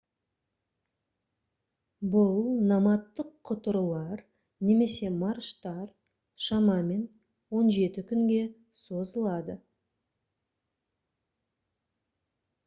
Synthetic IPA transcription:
bʊlˠnɑmɑt̪ːəqʰːʊt̪əɾəlˠɑɾ | ne̞me̞se̞mɑɾʃt̪ɑɾ | ʃɑmɑme̞n | wo̞nʒe̞t̪ɪkʲʰʏŋɡʲe̞ | so̞zəlˠɑd̪ə

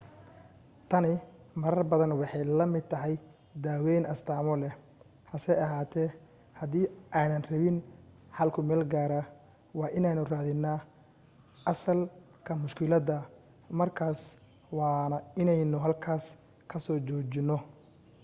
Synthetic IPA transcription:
t̪ʰɐnɪ | mɐɾɐrbɐðɐnwɑħɑjlɐmɪd̪̚t̪ʰɐɦɑj | d̪aːwɛːjnɐst̪ʰaːmɔlɛ | hɐsɛjɐɦaːt̪ʰɛː | hɐðiːaːnɐnrɐβɪn | ħɐlkʰʊmɛːlɡaːɾa | wɑːʔɪnaːnʊraːðɪnːaː | ʔɐsɐl | kʰɐmʊʃkʰɪlɐd̪ɐ | mɐrkʰaːs | wɑːnɐɪnɛjnʊɦɐlkʰaːs | kʰɐsɔːt͡ʃɔːd͡ʒɪnːɔ

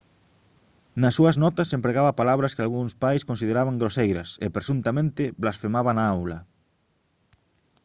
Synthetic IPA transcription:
nɐsːuɐznɔt̪ɐsempɾeɣaβɐpalaβɾɐskɪalɣuŋspajskonsið̞eɾaβɐŋɡɾosejɾɐsɪpɾesunt̪ɐmẽnt̪ɪblasfemaβɐnaawlɐ

